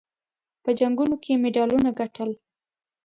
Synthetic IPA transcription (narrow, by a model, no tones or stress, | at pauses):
pəd͡ʒaŋɡunokʰemeɖɑlunaɡaʈəl